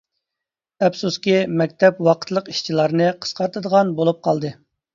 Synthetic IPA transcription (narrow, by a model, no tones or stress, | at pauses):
ɛpsuskʲimɛk̚ʲt̪ʰɛpwɑqʰə̥t̪ʰlˠəqiʃt͡ʃʰilˠɑɾnɨqʰə̥sqɑɾt̪ʰɨd̪əʁɑnbolˠup̚qʰɑlˠd̪ɨ